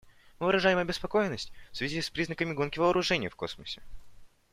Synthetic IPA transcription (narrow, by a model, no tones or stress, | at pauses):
mɨvɨɾɐʐajɪmɐbʲɪspɐko̞jɪnːəsʲtʲfsvʲɪzʲispɾʲiznəkəmʲɪɡo̞nkʲɪvəːɾʊʐɛnʲɪjfko̞̰sməsʲɪ̥